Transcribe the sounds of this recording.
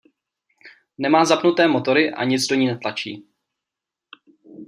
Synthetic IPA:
nɛmaːzapnut̪ɛːmo̞t̪o̞ɾɪʔa̰ɲɪt͡sdo̞ɲiːnɛt̪lat͡ʃiː

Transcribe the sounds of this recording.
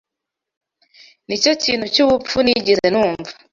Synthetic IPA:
nit͡ʃɔt͡ʃinut͡ʃiβup͡ffunid͡ʒizɛnuɱva

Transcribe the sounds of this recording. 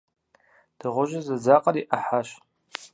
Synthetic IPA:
d̥ɨʁʷʊʒʷazad͡zaqʼaɾiʔaħaʃ

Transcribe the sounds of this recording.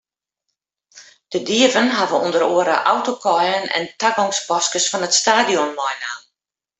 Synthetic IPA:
d̥ədiəvənɦavəundəɾoəɾə̰ʔawtokʰɔjənɛ̰ntaɡɔŋspɔskəsfɔnətstaːdijɔnmɔjnaːn

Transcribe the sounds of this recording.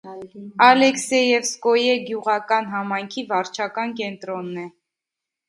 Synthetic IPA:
ɑlɛksɛjɛvskɔjɛɡjuʁɑkɑnɦɑmɑjŋkʰivɑɾt͡ʃʰɑkɑnkɛnt̪ɾɔnːɛ

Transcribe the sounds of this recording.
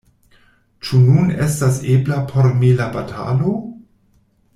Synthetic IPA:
t͡ʃununḛstaseblapʰoɾmilabatʰa̰lo

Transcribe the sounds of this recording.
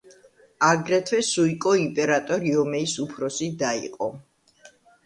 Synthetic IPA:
aɡɾɛt̪ʰwɛsuikʼɔimpʼɛɾat̪ʼɔɾiɔmɛisupʰɾɔsid̪aḭqʼɔ

